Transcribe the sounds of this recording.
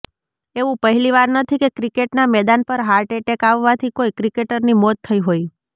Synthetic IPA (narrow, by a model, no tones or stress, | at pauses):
eʋũpəɦɛliʋaɾnət̪ʰikekɾikeʈnamɛd̪anpəɾɦaɾʈeʈekaʋːat̪ʰikoijkɾikeʈəɾnimɔt̪ʰːəiɦoi